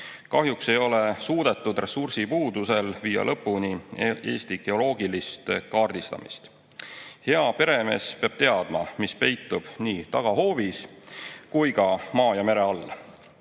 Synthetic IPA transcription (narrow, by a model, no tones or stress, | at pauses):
kɑɦjuksejo̞le̞suːd̪̥e̞t̪ːˑud̪̥re̞sursipuːd̪use̞lviːɑ̰lʔɤpˑːunie̞̰ːst̪iɡ̥e̞o̞lo̞ːɡilist̪kɑːrd̪̥ist̪ɑ̰mʔḭst̪ | he̞ɑpe̞ɾe̞me̞̰ːspeɑb̥t̪e̞ɑd̪̥mɑmispe̞jt̪ːˑub̥niːt̪ɑɡ̥ɑɦo̞ːviskujkɑmɑːjɑme̞ɾe̞ɑlː